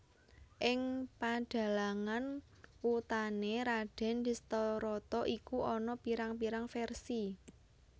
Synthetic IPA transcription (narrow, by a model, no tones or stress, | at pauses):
ʔɪŋpaɖ̥a̤laŋan | wut̪aneɾaɖ̥ɛ̤nd̪̥ist̪ɔɾɔt̪ɔʔikuɔnɔpiɾaŋpiɾaŋfɛrsi